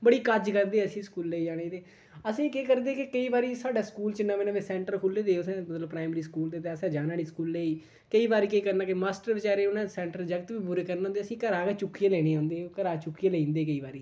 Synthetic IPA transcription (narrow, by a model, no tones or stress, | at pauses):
bəɽiːkəd͡ʒkəɾd̪eːəsĩːskuːlːeːiːd͡ʒaːɽ̃eːd̪eː | əsĩːkeːkəɾd̪eːkɪkəiːbaːɾiːsaːɖaːskuːlt͡ʃənːaːʋenãːʋeːsɛ̃ːɳʈəɾkʰʊlːeːd̪eːʊsɛ̃ːmət̪ləbpɾaːɪməɾiːskuːld̪eːt̪eːəsɛ̃ːd͡ʒaːnaːɽiːskuːlːeːiː | kəiːbaːɾiːkəiːkəɾnaːkɪmaːsʈəɾʋɪt͡ʃaːɾeːʊnɛ̃ːsɛːɳʈɾəɾd͡ʒəɡət̪ʋiːbʊɾeːkəɾñːnd̪eːəsĩːkəɾaːket͡ʃʊkːijeːlɛːɽ̃eːãːnd̪eːokəɾaːt͡ʃʊkːijeːlĩːnd̪eːkəiːbaːɾiː